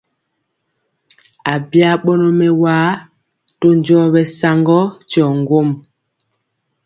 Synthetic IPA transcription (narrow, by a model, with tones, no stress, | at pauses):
a˨bja˦ɓɔ˦nɔ˨mɛ˨waː˨˦ | to˦n˨d͡ʒɔ˦bɛ˨sa˦ŋɡɔ˦t͡ʃɔ˨ŋɡo˦˨m